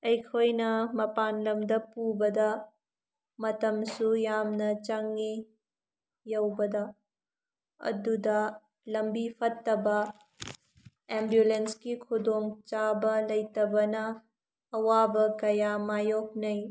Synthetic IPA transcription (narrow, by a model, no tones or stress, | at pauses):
ɐjkʰojnɐmɐpanlɐmdɐpubɐdɐ | mɐtɐmsujamnɐt͡ʃɐŋːi | jɐwbɐdɐ | ɐ̰dudɐ | lɐmbipʰɐtːɐbɐ | embjulenskikʰudoŋt͡ʃabɐlɐjtɐbɐnɐː | wabɐkɐjamajok̚nɐj